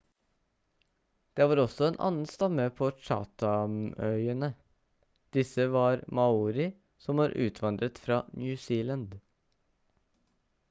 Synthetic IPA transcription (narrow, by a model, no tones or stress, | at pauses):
d̪̥eːʋɑːɾɔsɔeːnʔɑ̰nn̩st̪ɑməpʰoːʃɑ̰ːt̪ʰɑnœʏənə | d̪̥ɪsəʋɑːɾmɑuːɾɪ | sɔmɑːɾʔʉ̰ːt̪ʰʋɑnd̪ɾət̪fɾɑ̰ːnjʉːsiːlənd̪